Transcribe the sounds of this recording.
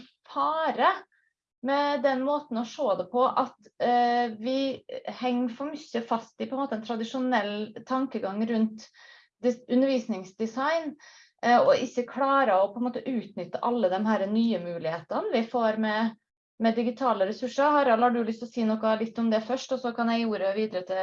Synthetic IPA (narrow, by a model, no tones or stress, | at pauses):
fɑːɾə | mɛd̪ɛnmoːt̪n̩ɔʂoːd̪ɛpʰɔʔɑt̪ | ʋɪhɛŋːfɔɾmʏçːəfɑst̪ɪpʰɔɛnmoːt̪əɛnt̪ʰɾɑd̪ɪʂʊnɛlːt̪ʰɑŋkəɡɑŋːɾʉnt̪ | d̪ʉnːəɾʋiːsnɪŋsd̪ɪsɑɪn | ɔʔɪçːəkʰlɑːɾəɔpʰɔɛnmoːt̪əʔʉːt̪nʏt̪ːəʔɑlːəd̪ɛnhæːɾənyːəmʉːlɪheːt̪ənʋɪfoːɾmɛ | mɛd̪ɪɡɪt̪ʰɑːləɾɛsʉʂəɾhɑɾɑlɑɖʉlʏst̪ɔsiːnɔkːɑlɪt̪ːɔmd̪ɛfœʂʈɔsɔkʰɑnjæɪjuːɾəʋiːd̪əɾət̪ʰɪl